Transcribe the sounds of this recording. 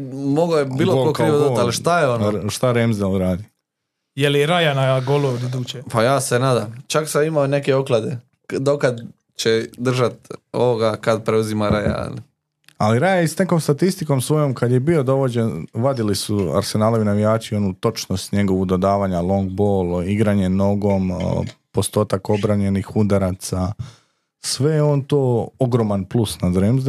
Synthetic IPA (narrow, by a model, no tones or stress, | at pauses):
moɡojebiːlˠokokɾiːʋod̪ot̪aliʃt̪ajeonʃt̪aɾemzd̪alˠɾaːd̪i | jeliɾajanaɡolod̪id̪uːt͡ʃepajaːsenaːd̪amt͡ʃaksamimaone̞keoklˠad̪e | d̪okad̪ | t͡ʃed̪r̩ʒat̪oʋoɡakad̪̚pɾeuzimaɾaja̰a̰li | aliɾajaisne̞ko̞mst̪at̪ist̪iko̞msʋo̞jo̞mkad̪je̞bio̞d̪o̞ʋo̞d͡ʑenʋad̪ilisua̰ɾse̞naːloʋinaʋijaːt͡ʃio̞nut̪o̞t͡ʃnost̪ɲe̞ɡo̞ʋud̪o̞d̪aːʋaɲalˠo̞ŋɡ̚boːliɡɾaɲe̞no̞ɡo̞mpo̞st̪o̞ːt̪ako̞bɾaɲe̞nixud̪aɾat̪sa | sʋe̞jeont̪oːoɡɾo̞manplˠusnazoɾimz